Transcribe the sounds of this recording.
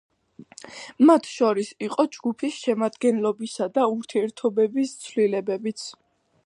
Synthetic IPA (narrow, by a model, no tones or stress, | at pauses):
mat̪ʰʃɔɾisiqʼɔd͡ʒɡupʰisʃɛmad̪ɡɛnlɔbisad̪auɾt̪ʰiɛɾt̪ʰɔbɛbist̪sʰvlilɛbɛbit̪sʰ